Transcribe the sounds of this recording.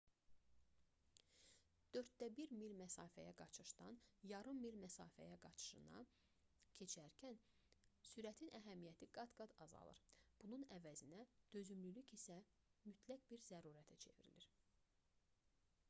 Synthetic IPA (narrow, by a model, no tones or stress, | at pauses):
d̪̥ø̞ɾt̪̚d̪æbiɾmilmæsɑːfæ̰jæɡɑt͡ʃʰɯʃd̪ɑnjɑɾɯmːilmæsɑːfæ̰jæɡɑt͡ʃʰɯ̥ʃɯ̰nɑ̰ | cʰe̞t͡ʃʰæɾcʰæn | syɾæt̪ʰinæɦæmijæt̪ʰiɡɑd̪ɡɑd̪ɑzɑ̰lˠɯ̰ɾb̥ununævæzinæd̪̥øzymlylycisæ | myt̪ʰlæɡ̚biɾzæɾuːɾæt̪ʰæt͡ʃʰe̞vḭɾḭliɾ